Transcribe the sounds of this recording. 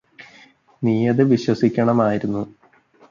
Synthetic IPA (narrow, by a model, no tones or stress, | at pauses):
niːɐðɨʋiɕwɐsikʲːɐɳɐmaːjiɾunːu